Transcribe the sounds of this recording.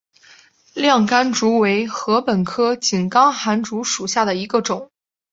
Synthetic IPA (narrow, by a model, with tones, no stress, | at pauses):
ljɑ˥˩ŋka˥nʈ͡ʂu˧˥we˧˥ɪxɤ˧˥pə˨˩nkʰɤ˥t͡ɕi˨˩nkɑ˥ŋxa˧˥nʈ͡ʂu˧˥ʂu˨˩ɕja˥˩d̪ə˩i˧˥ɡə˧ʈ͡ʂʊ˨˩˦ŋ